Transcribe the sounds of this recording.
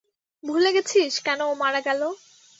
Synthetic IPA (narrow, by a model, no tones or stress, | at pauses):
bʱuleɡet͡ɕʰiʃkɛnomaɽaɡɛlo